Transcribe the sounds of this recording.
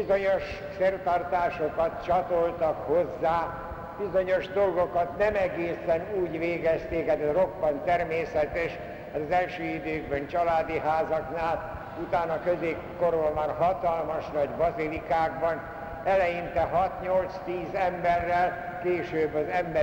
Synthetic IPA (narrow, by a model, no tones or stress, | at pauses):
izoɲoʃ | fert̪ɒrt̪aːʃokɒt̪t͡ʃɒt̪olt̪ɒkho̞zːaː | b̥izo̞ɲo̞ʒd̪o̞lɡo̞kɒt̪nɛmɛɡeːsɛnuːɟʋeːɡɛst̪eːkɛd̪ɛro̞bːɒnt̪ɛrmeːsɛt̪ɛʃ | aːt̪ɒzɛlʃøːid̪øːɡbɛnt͡ʃɒlaːd̪iɦaːzɒknaːl | ut̪aːnɒkøzeːkkːoɾonmarɦɒt̪ɒlmɒʃnɒɟbɒzilikaːɡbɒn | ɛlɛjint̪ɛɦɒt̪ɲo̞lt̪st̪iːzɛmbɛrːɛl | keːʃøːbːɒzɛmb